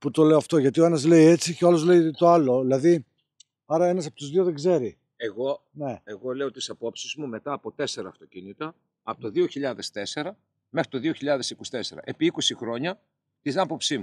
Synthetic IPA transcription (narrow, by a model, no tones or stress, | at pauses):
put̪o̞le̞oɐft̪o̞ʝɐt̪io̞enɐzle̞ie̞t͡siceolozle̞it̪o̞alo̞ðilɐði | ɐɾɐe̞nɐsɐpo̞t̪uzðio̞ðeɡze̞ɾi | eɣo̞ne̞eɣo̞le̞ot̪isɐpo̞psizmume̞t̪ɐːpo̞t̪e̞se̞ɾɐːft̪o̞cinit̪ɐ | ɐpot̪oðioçiʎɐðe̞st̪e̞se̞ɾɐ | me̞xɾit̪o̞ðio̞çiʎɐðe̞sikost̪e̞seɾɐ̰ʔe̞piikosixɾo̞ɲɐ | t̪inɐpo̞psimu